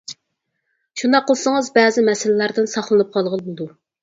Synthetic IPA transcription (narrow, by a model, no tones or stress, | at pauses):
ʃund̪ɑqːəlˠsəŋɨzbɛːzɪmɛsɪlɪlæɾd̪ɪnsɑχlˠɨnɨp̚qʰɑlˠʁəlˠbud̪u